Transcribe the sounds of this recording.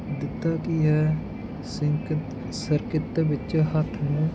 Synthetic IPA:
d̪ɪt̪ːaːkiɦɛː | sɪŋk̪ | səɾkɪt̪ːbɪt͡ʃɦət̪ʰmẽː

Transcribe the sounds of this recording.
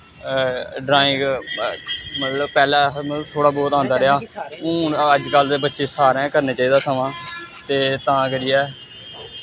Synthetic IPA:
ɖɾaːɪ̃ŋɡ | mət̪ləbpɛːlaːmət̪ləbt̪ʰoːɽaːbɔːt̪ãːnd̪aːɾɪɦaːʊ̃ːəd͡ʒkəld̪eːbətːʃeːsaːɾɛ̃ːkəɾneːt͡ʃaːiːd̪aːsəmãːt̪eːt̪ãːkəɾiːɛː

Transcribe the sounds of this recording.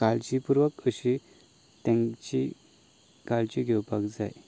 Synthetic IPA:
kalt͡ɕipuɾʋəkəɕi | t̪ɛ̃ŋt͡ɕi | kalt͡ɕiɡʱewpakd͡za̰j

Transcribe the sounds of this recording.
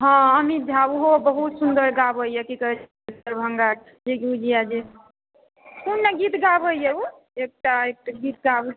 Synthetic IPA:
ɦɔ̃əmid͡ʒʱabuɦobəɦut̪sund̪əɾɡabəjjɛkikəɾɛt͡ʃʰ | əɾbʱəŋɡak | d͡ʒeɡud͡ʒiad͡ʒe | kunːeɡit̪ɡabəjjɛu | ek̚ʈaek̚ʈaɡit̪ɡab

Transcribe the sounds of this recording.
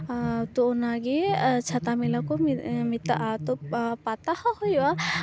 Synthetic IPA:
t̪oːnaɡet͡ʃʰat̪amilakɔmit̪a̰ʔt̪ɔpat̪ahahɔja

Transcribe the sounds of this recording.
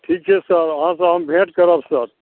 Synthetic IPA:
ʈʰiːk̚t͡ʃʰɛsəɾəɦãsãɦəmbʱẽːʈkəɾaːbsəɾ

